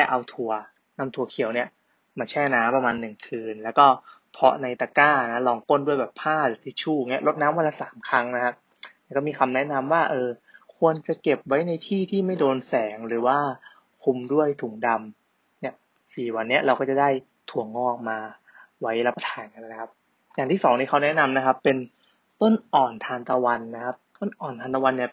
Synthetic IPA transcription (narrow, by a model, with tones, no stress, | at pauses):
lɛː˥˩ʔa˧wt̪ʰu˧˩ɐ | na˧mt̪ʰu˧˩ɐkʰi˨˩˦wni˥˩ɐ | maː˧t͡ɕʰɛː˥˩naː˦˥mpa˧maː˧nːɯ˨˩ŋkʰɯː˧nlɛː˦˥wkɔː˥˩ | pʰɔ˦˥na˧jt̪aː˧kaː˥˩na˦˥lɔː˧˩ŋpo˥˩˨ndu˥˩əjbɛː˨˩pʰaː˥˩lɯ˨˩t̪ʰiː˥˩t͡ɕʰuː˥˩ŋi˦˥˩ɐʔlo˦˥t̪̚naː˦˥mwa˧laː˧˥saː˩˦mkʰɾa˦˥ŋna˦˥kʰa˦˥p̚ | nɛː˥˩kɔː˥˩miː˧kʰa˧mnɛ˦˥ʔna˧mwaː˥˩ʔɤː˧kʰu˧ənt͡ɕa˨˩ke˨˩p̚wa˦˥jna˧jt̪ʰiː˥˩t̪ʰiː˥˩ma˥˩jdoː˧nsɛː˩˦ŋɾɯː˩˦waː˥˩ | kʰu˧mdu˥˩əjt̪ʰu˩˦ŋda˧m | ni˦˥˩ɐ | siː˨˩wa˧nːi˦˥ɐʔɾa˧wkɔː˥˩t͡ɕa˨˩daː˥˩j | t̪ʰu˨˩˦əŋːɔː˥˩k̚maː˧ | wa˦˥jɾa˦˥pːa˧t̪ʰaː˩˦nka˧nː˦a˦˥kʰa˦˥p̚ | ja˨˩ŋʰiː˥˩sɔː˩˦ŋt̪iː˦˥˩kʰa˦˥wnɛ˦˥na˧mna˦˥kʰa˦˥pːe˧n | t̪o˥˩nʔɔː˨˩nt̪ʰaː˧nt̪a˧wa˧nːa˦˥kʰa˦˥p̚t̪o˥˩nʔɔː˨˩nt̪ʰaː˧nt̪a˧wa˧nːi˥˩